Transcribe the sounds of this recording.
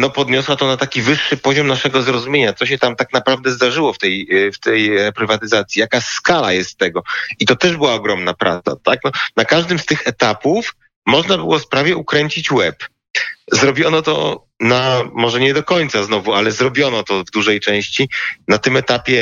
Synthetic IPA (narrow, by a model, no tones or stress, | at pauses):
nɔpɔd̪ɲɔswat̪ɔnat̪akʲivɘʂːɘpɔʑɔmnaʂɛɡɔzɾɔzumʲjeɲat̪sɔɕ̬ɛt̪amt̪aknapɾavd̪ɛzd̪aʐɘwɔft̪ɛjft̪ɛjɾɛpɾɘvat̪ɘzat̪sʲijakaskala̰jɛst̪ːɛɡɔit̪ɔt̪ɛʐbɘwaɔɡɾɔmnapɾa̰t̪a̰t̪aknɔnakaʐd̪ɘmst̪ɘxɛt̪apuf | mɔʐnabɘwɔspɾavʲjɛukɾɛɲt͡ɕit͡ɕwɛp | zɾɔbʲjɔnɔt̪ɔ̰ | namɔʐɛɲɛd̪ɔkɔɲʲt̪saznɔvualɛzɾɔbʲjɔnɔt̪ɔvd̪uʐɛjt͡ʂɛ̃w̃ɕt͡ɕinat̪ɘmɛt̪apʲjɛ